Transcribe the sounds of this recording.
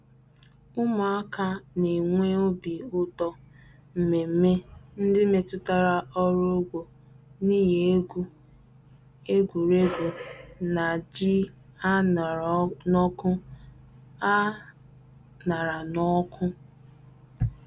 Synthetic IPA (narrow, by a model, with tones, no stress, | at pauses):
ʊ˦ma˨a˦ka˦ne˨ŋʷe˦o˦bi˨ʊ˦tɔ˦ | m̩˨me˨m̩˦me˦n̩˦dɪ˦me˨tʊ˦ta˦ɾa˦ɔ˦ɾo˦ɡʷo˨ | ni˦je˨˦ | e˦ɡʷu˨ɾe˦ɡʷu˨na˨d͡ʒi˦a˦n˨nɔ˦kʊ˦ | a˦ | na˨ɾa˨nɔ˦kʰʊ˦